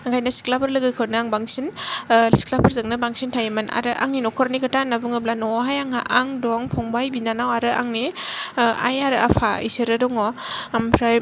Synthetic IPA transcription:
aŋɡʰajnasi̥klapʰɯɾlɯɡɯkʰɯnɯaŋbaŋsinsi̥klapʰɯɾzɯŋnɯbaŋsintʰajemana̰ɾɯʔa̰ŋninɔkʰɔɾnikʰɯtanabɯŋɯblanɔɦajaŋaʔaŋdɔŋpʰɔŋbajbinanawaɾɯʔa̰ŋni | a̰jaɾɯʔa̰pʰaḭseɾɯdɔŋɔ | mpʰɾaj

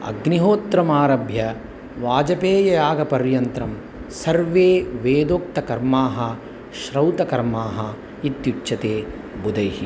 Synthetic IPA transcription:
ɐ̰ɡniɦoːt̪ɾɐmaːɾɐbʱjɐ | ʋaːd͡ʒɐpeːjɐjaːɡɐpɐɾjɐnt̪ɾɐm | sɐɾʋeːʋeːd̪oːk̚t̪ɐkɐɾmaːɦɐ | ʃɾɐwt̪ɐkɐɾmaːɦɐ | it̪jut͡ʃːʃɐt̪eː | bud̪ɐjɦi

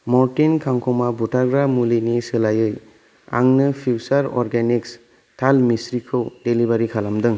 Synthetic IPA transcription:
mɔɾtinkʰaŋkʰɔmabutʰaɡɾamulinisɯlajɯj | a̰ŋnɯpʰiwsaɾɔ̰ɾɡeniks | tʰalmisɾikʰɯwdelibaɾikʰalamdɯŋ

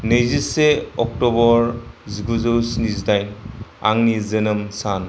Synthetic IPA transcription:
nɯjziseɔk̚tɔbɔɾziɡuzɯwsnizdajnaŋnizɯnɯmsan

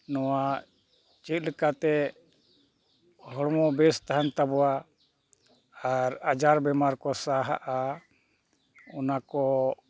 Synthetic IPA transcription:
nɔwa | t͡ʃɛt̪̚ˀlɛkat̪ɛ | ɦɔɽmɔbɛst̪aɦant̪abɔwa | aɾad͡ʒaɾbɛmaɾkɔsaɦa̰ʔa | ɔnakɔ

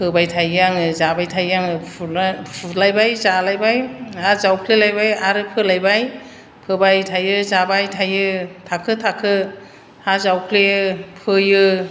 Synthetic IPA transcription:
pʰɯbajtʰajaŋɯzabajtʰajaŋɯpʰpʰulajbajzalajbajazawkʰlelajbajaɾɯpʰɯlajbaj | pʰɯbajtʰajɯzabajtʰajɯtʰakʰɯtʰakʰɯ | azawkʰlepʰɯjɯ

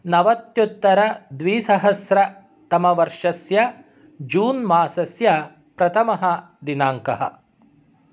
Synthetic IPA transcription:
nɐʋɐt̪jut̪ːɐɾɐd̪ʋiːsɐɦɐsɾɐ | t̪ɐmɐʋɐɾʂɐsjɐ | d͡ʒuːnmaːsɐsjɐ | pɾɐt̪ʰɐmɐɦɐ | d̪inaːŋkɐɦɐ̰

